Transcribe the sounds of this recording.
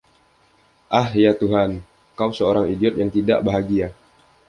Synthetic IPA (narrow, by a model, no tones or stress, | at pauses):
ʔahjat̪uɦan | kausəoɾaŋidiɔt̪̚jaŋt̪ida̰ʔbaɦaɡia